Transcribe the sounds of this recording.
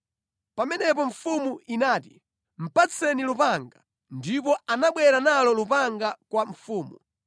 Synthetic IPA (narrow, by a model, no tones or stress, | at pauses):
pamɛnɛp̬ɔɱfumuinaːti | m̩pat͡sʰɛnilupaŋɡa | ndip̬ɔanaɓwɛɾanalɔlupaŋɡakwaɱfuːmu